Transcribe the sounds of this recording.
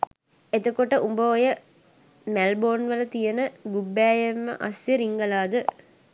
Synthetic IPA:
et̪okoʈəʔumbəojə | mælboːnʋələt̪ijənəɡubːæːjemːə̰ʔasjəɾiŋɡəlaːd̪ə

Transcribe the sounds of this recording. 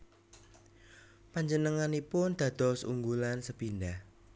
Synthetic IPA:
paɲd͡ʒənəŋanipʊnd̪̥ä̤d̪̥ɔ̤sṵŋɡulansəb̥indah

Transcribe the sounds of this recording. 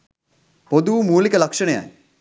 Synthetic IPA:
pod̪uːmuːlikəlɐkʂəɳeja̰j

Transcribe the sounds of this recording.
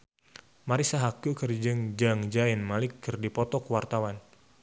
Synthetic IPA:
maɾisaɦakukərd͡ʒəŋd͡ʒaŋd͡ʒaɪnmalɪkːərdipɔt̪ɔkwart̪awan

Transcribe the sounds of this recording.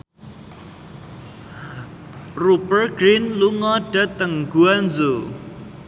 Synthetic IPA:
rupərɡɾinluŋɔɖ̥at̪əŋɡ̥uanzo

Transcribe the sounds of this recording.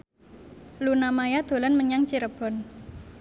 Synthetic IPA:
lunamajad̪̥o̤lanməɲaŋt͡ʃiɾəb̥ɔ̤n

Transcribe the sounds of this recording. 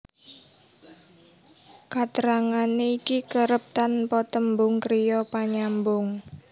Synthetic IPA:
kat̪əɾaŋaneikikəɾəp̚t̪anpɔt̪əmbʊŋkɾijɔpaɲambʊŋ

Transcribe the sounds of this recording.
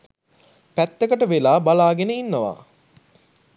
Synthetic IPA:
pæt̪ːekəʈəʋelaːbalaːɡenəinːəʋa̰ː

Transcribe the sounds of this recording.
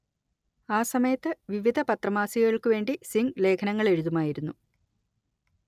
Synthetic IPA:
aːsɐmɐjɐt̪ːɨʋiʋid̪ʱɐpɐt̪rɐmaːsiɣɐɭkɨʋe̞ːɳɖisiŋɡle̞ːkʰɐnɐŋːɐɭe̞ɻuðumaːjiɾunːu

